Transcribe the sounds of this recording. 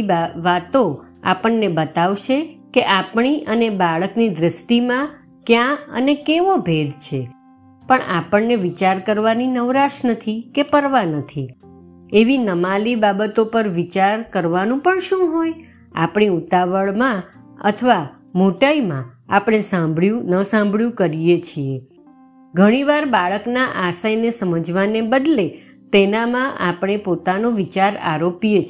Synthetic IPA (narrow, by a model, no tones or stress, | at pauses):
ʋat̪o | a̰pəɳːebət̪aʋʃekeʔapɳ̃iʔənebaɭəknid̪ɾəst̪imã | kjãə̰nekeʋobʱed̪ʱt͡ʃʰe | pəɳapəɳːeʋit͡ʃaɾkəɾʋaninəʋɾaʃnət̪ʰikepəɾʋanət̪ʰi | eʋinəmalibabət̪opəɾʋit͡ʃaɾkəɾʋanũpəɳʃũɦoj | a̰pɳ̃iut̪aʋəɭmã | ə̰t̪ʰəʋa | moʈaimãapɽ̃esãmbɭjũnəsãmbɭjũkəɾijet͡ʃʰie | ɡʱəɽ̃iʋaɾbaɭəknaʔasajnesəməd͡ʒʋanebəd̪le | t̪enamãʔapɽ̃epot̪anoʋit͡ʃaɾa̰ɾopijet͡ʃ